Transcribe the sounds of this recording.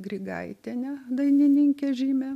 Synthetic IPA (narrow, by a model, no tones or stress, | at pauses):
ɡrʲɪɡɐ̰ɪt̪ʲenʲɛd̪ɐɪnʲɪnʲɪŋʲkʲeʒʲiːmʲɛ